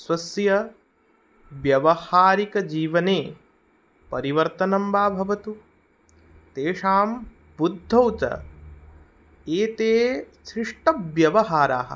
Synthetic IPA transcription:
swɐsjɐ | ʋjɐʋɐhaːɾikɐd͡ʒiːʋɐneː | pɐɾiʋɐɾt̪ɐnɐmbaːbʱɐʋɐt̪u | t̪eːʂaːm | bud̪ʱːɐwt͡ʃɐ̰ | eːt̪eːsɾiʂʈɐʋjɐʋɐɦaːɾa̰ːɦɐ̰̆

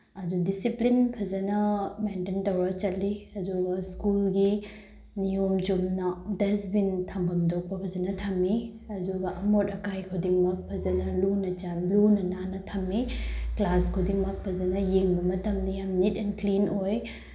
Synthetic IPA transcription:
ɐdudisiplinpʰɐzɐnɐmententɐwɾɐt͡ʃɐlːiɐduɡɐskulɡi | nijomd͡ʒumnɐdesbintʰɐmbʱɐmdok̚pɐpʰɐzɐnɐtʰɐmːi | ɐduɡɐʔɐmotɐkajkʰudiŋmɐk̚pʰɐzɐnɐlunɐt͡ʃanlunɐnanɐtʰɐmːiklaskʰudiŋmɐk̚pʰɐzɐnɐjeŋbɐmɐtɐmdijamnitɛnklinoj

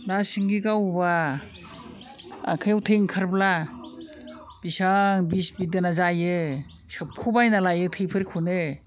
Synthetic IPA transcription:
nasiŋɡiɡawba | a̰kʰajawtʰeŋkʰaɾbla | b̥isaŋbisbidanazajɯ | sɯp̚kʰubajnalajɯtʰɯjpʰɯɾikʰunɯ

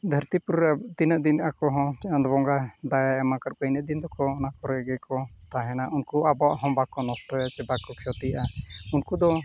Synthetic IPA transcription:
d̪ʱəɾt̪ipuɾɾɛt̪inəʔd̪inʔakɔɦɔ̃t͡ʃɛnd̪bɔŋɡad̪ajaɛmakaɾpəjnəʔ̚d̪ind̪ɔkɔnakɔɾɛɡɛkɔt̪aɦɛnaʔunkuabawaʔɦɔ̃bakɔnɔsʈɔjat͡ʃɛbakɔkʰɛɔt̪iaʔaunkud̪ɔ

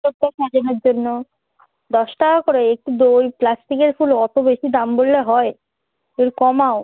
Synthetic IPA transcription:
ot̪ːaʃad͡ʑoneɾd͡ʑonːo | d̪ɔʃʈakoɾeek̚ʈid̪ojplasʈikeɾfulɔt̪obeʃid̪ambolːeɦɔe | eɾkɔmao

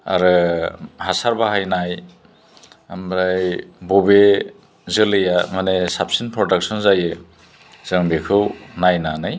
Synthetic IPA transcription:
a̰ɾɯhasaɾbaɦajnaj | amɾajbɔbe | zɯlɯjamanesap̚sinpɾɔdak̚sɔnzajɯ | z̥ɯŋbekʰɯwnajnanɯj

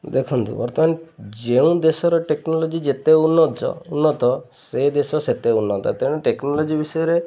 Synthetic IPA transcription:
d̪ekʰunt̪ṵpɔɾt̪ɔmaned͡ʒeũd̪esɔɾɔʈeknɔlɔd͡ʒid͡ʒet̪eunːɔt̪ɔ̰unːɔt̪ɔsed̪esɔset̪eunːɔt̪ɔ̰t̪eɽ̃ɔʈeknɔlɔd͡ʒibisɔjɔɾe

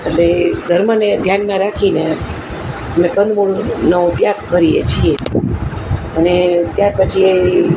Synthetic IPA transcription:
eʈleɡʱəɾmaned̪ʱjanmãɾakʰine | əmẽkənd̪muɽnəʋt̪jaɡkəɾijḛt͡ʃʰie | ənet̪jaɾpət͡ʃʰie

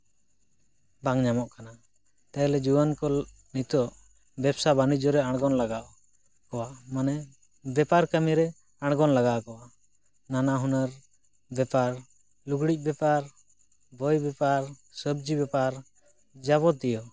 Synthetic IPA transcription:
baŋɲamɔʔkana | t̪aɛlɛd͡ʒuwankɔ | nit̪ɔʔ | bɛbsabanid͡ʒɔɾɛaɽ̃ɡɔnlaɡaʔ | kɔwamanɛ | bɛpaɾkəmiɾɛ | aɽ̃ɡɔnlaɡaʔkɔwa | nanaɦunəɾ | bɛpaɾ | luɡɽic̚ˀbɛpaɾ | bɔjbɛpaɾsəb̚d͡ʒibɛpaɾ | d͡ʒaβɔt̪̚d̪ɛjɔ

